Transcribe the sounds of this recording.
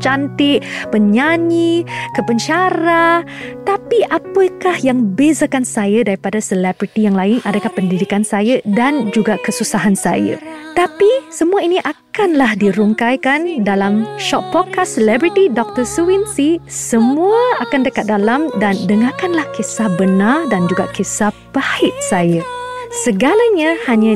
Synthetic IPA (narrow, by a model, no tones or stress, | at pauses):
t͡ʃant̪ɪʔpəɲaɲikəpəɲt͡ʃaɾa | t̪apiʔapəkahjaŋbezakansajadaɾipadasəlɛbɾit̪ijaŋlaɪnʔadakahpəndidikansajədand͡ʒuɡakəsusaɦansa̰jə̰t̪apisəmũainiʔakanlahdiɾuŋkajkandalamʃɔt̪̚pɔd̚kasəlɛbɾit̪idɔk̚t̪əsuwinsisəmũaakandəkat̪̚dalamdandəŋãkanlahkisahbənãrdand͡ʒuɡakisahbahɪʔ̚sajə | səɡalaɲãhaɲã